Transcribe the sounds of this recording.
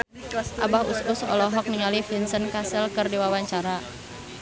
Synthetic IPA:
ʔabahusʊsɔ̰lɔɦɔk̚niŋalifinsənkasəlkərdiwawaɲt͡ʃaɾa

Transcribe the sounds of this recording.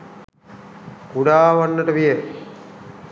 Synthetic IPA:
kuɖaːʋanːəʈəʋije

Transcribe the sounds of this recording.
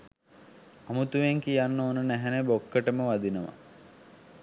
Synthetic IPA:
amut̪uʋeŋkijanːoːnənæɦænebokːəʈəməʋad̪inəʋa̰

